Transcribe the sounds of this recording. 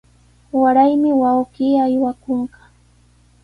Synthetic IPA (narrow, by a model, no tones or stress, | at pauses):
waɾajmɪwawɢiːajwakoɴɢɑ̥